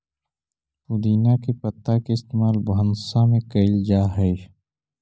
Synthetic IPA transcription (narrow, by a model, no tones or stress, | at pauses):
xʊd̪iːnakepət̪ːakeɪst̪eːmaːlbənsamẽkəɪld͡ʒaːɦɛ